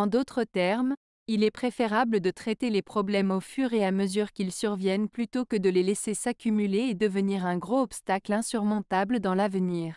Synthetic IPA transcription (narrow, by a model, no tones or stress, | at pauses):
ɑ̃d̪ot̪χət̪ɛʁm | ilɛpχefeʁabləd̪ət̪χɛt̪elepχɔblɛmofyʁeaməzyʁkʲilsyʁvjɛnplyt̪okəd̪əlelɛsesakʲymyleːd̪əvəniʁɛ̃ɡʁoɔpst̪aklɛ̃syʁmɔ̃t̪abləd̪ɑ̃lavəniːʁ